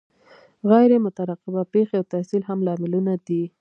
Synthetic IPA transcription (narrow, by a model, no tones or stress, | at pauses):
ɣajɾemʊt̪aɾaqɪbapexeawt̪ahsilɦamlɑmɪlunad̪i